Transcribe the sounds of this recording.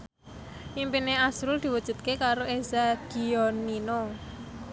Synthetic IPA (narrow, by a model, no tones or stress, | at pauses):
ʔimpineasɾʊld̪̥i̤wud̥ʒ̥ṳt̪̚kekaɾoezaɡ̥iɔnino